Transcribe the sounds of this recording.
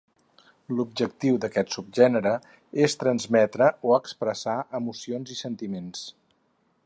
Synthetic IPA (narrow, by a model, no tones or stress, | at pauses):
lub̚ʒək̚t̪iwd̪əkɛt̪sub̚ʒɛnəɾə | est̪ɾənzmɛt̪ɾəʔoəkspɾəsaʔəmusionzisənt̪imens